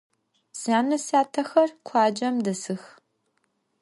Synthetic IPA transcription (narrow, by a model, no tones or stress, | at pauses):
saːnɐsaːtʰɐxɐrkʷʰɑːd͡ʒɐmdɐsɨx